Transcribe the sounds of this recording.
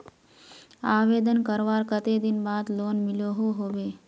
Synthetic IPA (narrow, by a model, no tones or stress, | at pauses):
aːʋeːd̪ənkəɾʋaːɾkət̪ed̪ɪnbaːd̪loːnmɪljoɦoɦoːʋeː